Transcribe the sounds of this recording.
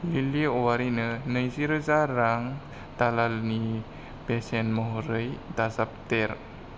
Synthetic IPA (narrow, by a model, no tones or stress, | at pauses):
liliowaɾinənəjsiɾəzaɾaŋ | t̪alalni | bɛsɛnmɔɦɾəjd̪asap̚t̪ɛɾ